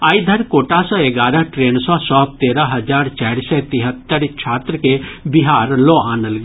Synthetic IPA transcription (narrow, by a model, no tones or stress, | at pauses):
aːid̪ʱɐɾkoːʈasɔːeɡaːɾəɦʈɾeːnsɔsɔːb̚t̪eːɾəɦɐd͡ʒaːɾt͡ʃaːɾsɛt̪ɪɦət̪ːəɾt͡ʃʰaːt̪ɾəkebiɦaːɾloːaːnəl